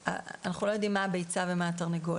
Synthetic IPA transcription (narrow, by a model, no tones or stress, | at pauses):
a̰anaχulo̞jo̞d̪imːaːbejt͡savemaːtaʁneɡo